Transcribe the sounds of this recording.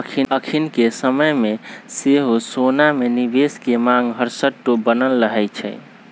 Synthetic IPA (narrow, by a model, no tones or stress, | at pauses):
kʰiəkʰinkesəməjmeseɦosonamenibeskemãŋɡɦəɾsəʈːobənəlːəɦɛjt͡ʃʰɛ̰